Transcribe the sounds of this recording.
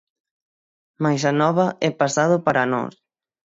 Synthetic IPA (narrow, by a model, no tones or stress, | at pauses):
majs̬anɔβaɛpasað̞opaɾanɔ̰s